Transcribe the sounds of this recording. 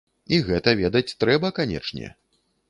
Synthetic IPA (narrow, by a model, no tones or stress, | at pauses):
iɣɛt̪ɐvʲed̪ɐt͡sʲt̪ɾɛbɐkanʲɛ̰t͡ʂnʲɛ̰